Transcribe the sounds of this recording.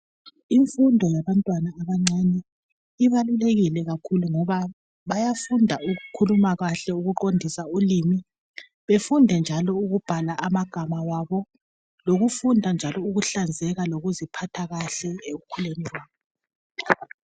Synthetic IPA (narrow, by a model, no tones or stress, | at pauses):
iɱfundʱɔjaβantʼwanaːβaŋ͡ǀanɛ | iβaluleɣilɛɣakʰuluŋɔβa | βajafundʱauɣukʰulumaɣaɬɛuɣuǃondʱisaulimi | βefundʱɛnd͡ʒʱalɔuɣub̥ʱalaʔːmaɡ̥ʱamawaβɔ | loɣufundʱand͡ʒʱalɔuɣuɬand͡zʱɛɣaloɣuzipʰatʰaɣaɬɛeɣukʰuleniwaːβɔ